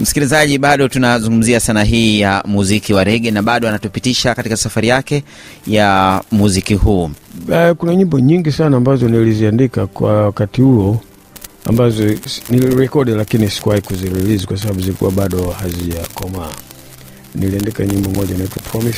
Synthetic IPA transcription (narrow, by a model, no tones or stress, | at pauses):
m̩si̥kilizaʄiɓaɗɔtunazuŋɡum̩ziasanaɦiːjamuzikiwaɾɛɡɛnaɓaɗɔanatupitiʃakatikasafaɾijakɛ | jamuzikihuːɛkunaɲimbɔɲiŋɡisanaːmbazɔniliziandikakwawakatihuɔ | a̰mbazɔniliɾɛkɔɗilakinisi̥kuwahikuziɾɛlizikwas̬aɓaɓuzilikṵwaɓaɗɔhaziʄakɔma | niliandikaɲimbɔmɔɟanaitwapɾɔmis